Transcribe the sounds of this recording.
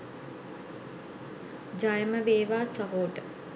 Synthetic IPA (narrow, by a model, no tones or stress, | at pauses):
d͡ʒajəməʋeːʋaːsəɦoːʈə